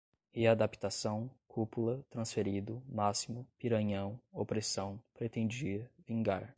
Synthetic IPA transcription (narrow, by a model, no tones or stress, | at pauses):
ead̪api̥t̪asɐ̃w̃kʰupulɐt̪ɾɐ̃sfeɾid̪ʊmasimʊpiɾɐ̃ɲɐ̃w̃opɾesɐ̃w̃pɾet̪ẽnd͡ʒiɐvĩŋɡaɾ